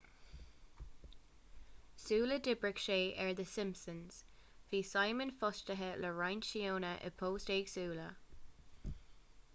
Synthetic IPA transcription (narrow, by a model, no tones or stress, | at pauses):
suːlədɪbɹɪkʃeːʔɛɹðəsɪmpsənz̥ | viːsajmə̃nfɔstəɦələɹajnʃioːnəʔə̰pʰoːsteːɡ̥suːlə